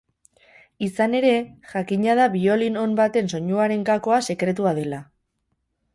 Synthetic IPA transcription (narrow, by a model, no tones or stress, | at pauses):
isane̞ɾe̞ʝakiɲað̞aβio̞lino̞mbat̪e̞nso̞ɲuaɾe̞ŋkako̞ase̞kɾe̞t̪̬uað̞e̞la